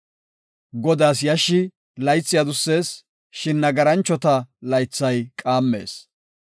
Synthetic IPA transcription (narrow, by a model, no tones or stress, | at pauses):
ɡɔd̪aːsjɐʃːɪ | lɐjt͡sːɪjad̪ʊsːe̞ːs | ʃɪnːɐɡɐɾɐnt͡ʃːɔt̪ɐlɐjt͡sːɐjkʼaːmːe̞̰ːs